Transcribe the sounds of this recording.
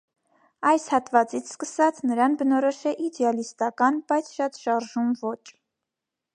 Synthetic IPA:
ɑjshɑt̪vɑt͡sit͡sʰskəsɑt͡sʰnəɾɑnbənɔɾɔʃɛʔid̪ɛɑlist̪ɑkɑnb̥ɑjt͡sʰʃɑt̪ʃɑɾʒumvɔt͡ʃʰ

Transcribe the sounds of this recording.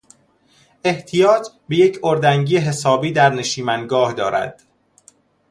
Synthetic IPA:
ʔe̞ht̪ʰijɒːt̪ʰbe̞je̞cʰoɾd̪æŋɟiːeɦe̞sɒːbiːd̪æɾne̞ʃiːmænɡɒːhd̪ɒːɾæ̰d̪̥

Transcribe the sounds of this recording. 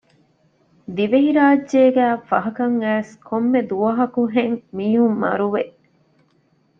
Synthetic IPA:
d̪iʋeɦiɾaːdʒeːɡæːfɐɦɐkɐŋæːskʰomːed̪uʋɐɦɐkuɦeŋmiːɦumːɐ̰ɾuʋeʔ

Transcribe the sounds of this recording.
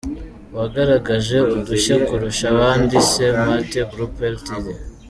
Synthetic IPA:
waɡaɾaɡaʒe̞uduʃekuɾuʃaβaːndise̞matebɾupeltide

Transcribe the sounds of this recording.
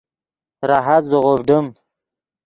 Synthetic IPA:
ɾaɦat̪zəʁobɖəm

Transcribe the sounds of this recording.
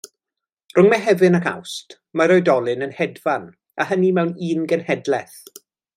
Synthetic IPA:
r̥ʊŋmɛɦɛvɨnakʰa̰wst | maɾɔjdɔlˠɪnənhɛdvan | ahənimɛwniːnɡənhɛdlɛθ

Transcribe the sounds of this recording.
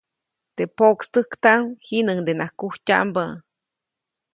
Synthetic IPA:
t̪epokst̪ɨkt̪aŋhinɨŋd̪enahkuhca̰ʔmbə

